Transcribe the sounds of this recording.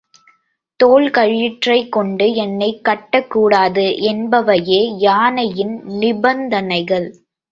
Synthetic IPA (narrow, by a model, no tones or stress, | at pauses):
t̪oːɭkɐɻjɪʈrɐɪkːɔɳɖɯɛnːɐɪkːɐʈːɐkːuːɽaːðɯʔɛnbɐʋɐjeːjaːnɐjɪnnɪbɐnd̪ɐnɐɪɣɐɭ